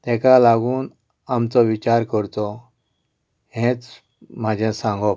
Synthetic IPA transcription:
t̪ɛ̃kalaɡuːn | amt͡sɔʋit͡ɕaɾkəɾt̪ɔ | ɦẽt͡s | m̤ad͡ʑʱãsãŋɡɔ

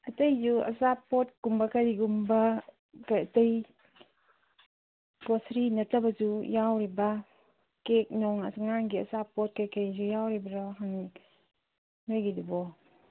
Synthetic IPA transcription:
ɐtɐjzuɐ̰sapːɔt̚kumbakaɾiɡumba | kajataj | ɡɔsɾinɐtʰabɐd͡ʒujawɾiba | kek̚nɔŋa̰saŋanɡiɐ̰sapːɔt̚kajkaɾid͡ʒujawɾibɾaɦaŋi | nojɡidubɔ

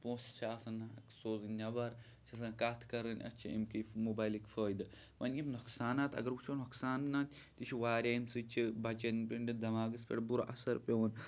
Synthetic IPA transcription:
põːst͡ʃʰaːsɐnksoːzɨnʲɐʋɐɾ | t͡ʃʰʲɐsãːkaːt̪ʰkɐɾɨnʲɐ̰t͡ʃʰiḭmkimoːbaːjlikʲfəːjd̪ɨ | ʋɐnjɐmnuksaːnaːt̪ɐ̰ɡɐɾut͡ʃʰonɐksaːnnaːt̪ʲ | t̪it͡ʃʰiʋaːɾʲaːimsɨt͡ʃʰibɐt͡ʃɐnpʲiɳɖid̪ɐmaːɡɨspʲḛɽbuɾoʔɐsɐɾpʲeʋɐn

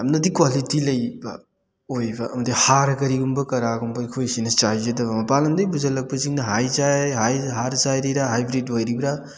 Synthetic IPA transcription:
amnɐdikwalitilɐjbɐ̰ | ojbɐɐmɐdihaɾkɐɾiɡumbɐkɐɾaɡumbɐikʰojsinɐt͡ʃajzɐdɐbɐmɐpalɐmdɐjbuzɐlɐk̚pɐziŋnɐɦajzajhajɦaɾzajɾiɾaɦajbɾitwajɾibɾa

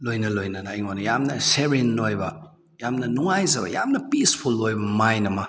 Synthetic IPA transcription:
lojnɐlojnɐnːjŋonɐjamnɐseɾinːojbɐ | jamnɐnuŋajzɐbɐ̰ja̰mnɐpispʰulːojbɐmajnɐmɐ

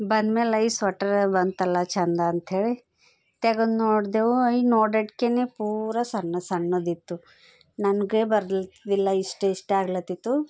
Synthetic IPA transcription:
bɐnd̪mẽlɐjsʋɐʈɐɾbɐnd̪̚t̪ɐlːat͡ʃʰɐnd̪aːnt̪ʰeɭe | t̪eɡonoːɽd̪euɐinoːɖeʈkenepuːɾasɐɳːɐsɐɳːud̪it̪ːu | nɐnɡebɐɾd̪ld̪ilːaisʈeisʈeaːɡlɐt̪it̪u

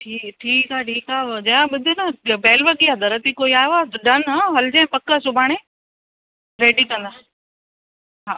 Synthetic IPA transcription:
ʈʰiːkʈʰiːkaːʈʰiːkaːd͡ʑɐjãɓʊd̪ʱinabeːlʋəkiad̪ɐɾət̪ikoːiaːeʋaːɖɐnɦãɦɐld͡ʑẽpɐkːəsʊbʱaːɽ̃e | ɾeːɖikɐ̃nd̪aː | ɦaː

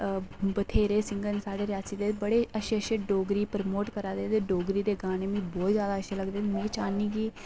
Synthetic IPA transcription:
bət̪ʰeːɾeːsɪ̃ŋɡənsaːɖeːɾɪjaːsiːd̪eːbəɽeːəʃeːəʃeːɖoːɡɾiːpəɾmoːʈkəɾaːd̪eːd̪eːɖoːɡɾiːd̪eːɡaːneːmĩːbɔːt̪zjaːd̪aːəʃeːləɡd̪eːmeːt͡ʃaːniːɡiː

